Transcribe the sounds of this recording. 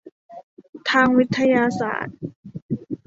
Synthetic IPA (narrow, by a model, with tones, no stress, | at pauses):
t̪ʰaː˧ŋwi˦˥t̪ʰːa˧jaː˧sa̰ː˨˩˦t̪̚